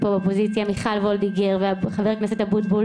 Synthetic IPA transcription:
pobeopozit͡sjamiχalvold̪iɡeʁveaχaveʁknaset̪abut̪̚bul

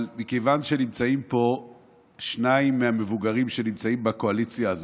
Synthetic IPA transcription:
lmikejvanʃe̞nimt͡saimpo̞ | ʃnaimːeame̞vuɡaʁimʃe̞nimt͡saimbako̞alit͡sjaːz

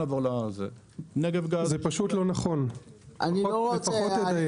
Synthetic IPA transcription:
aːvoʁlazḛ | neɡevɡazepaʃutlo̞naχo̞na̰niloot͡saɛoedaj

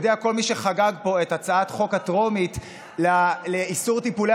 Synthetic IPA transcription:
d̪eako̞lmiʃeχaɡaɡpo̞e̞tat͡saat̪χo̞katʁo̞mit | laleisuʁt̪ipule

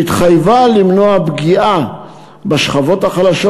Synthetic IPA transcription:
it̪χajvalimnoabɡia | beʃχavo̞thaχalaʃo

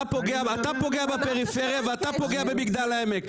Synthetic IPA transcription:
pɔɡeaat̪apɔɡeabapeʁifɛʁjevat̪apɔɡeabebiɡd̪alaɛmɛk

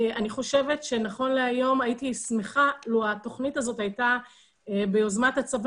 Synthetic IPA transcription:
aniχo̞ʃe̞ve̞tʃe̞naχo̞nleajo̞majitismeχaluato̞χnitazotajta | bejo̞zmatat͡sav

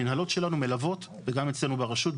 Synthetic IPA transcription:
inhalo̞tʃe̞lanume̞lavo̞t̪ | veɡame̞t͡sle̞nubeʁaʃut̪̚

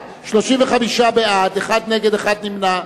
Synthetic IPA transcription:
ʃloʃimveχamiʃabead̪eχad̪neɡed̪eχad̪nimna

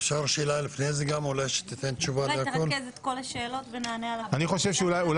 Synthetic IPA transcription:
fʃaʁʃeːlalifnezeɡamulajʃe̥t̪it̪ent̪t͡ʃuvatkolezet̪kolaʃeːlot̪venaːnealaaniχo̞ʃevʃeulajul

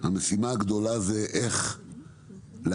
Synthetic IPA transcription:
hamesimaaɡd̪o̞lazeʔeχ | le

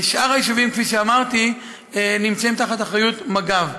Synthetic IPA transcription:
ʃʔaʁajiʃuvimkfiʃeamaʁt̪i | enimt͡saimt̪aχat̪aχʁajut̪maɡav

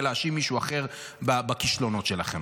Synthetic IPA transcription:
laaʃimːiʃuaχe̞ʁ | babakiʃlo̞no̞t̪ʃelaχem

